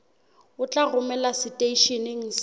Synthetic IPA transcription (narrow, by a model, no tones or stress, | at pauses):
ʊt͡ɬʼarʊmɛlasɪtʼeiʃenɪŋ̩s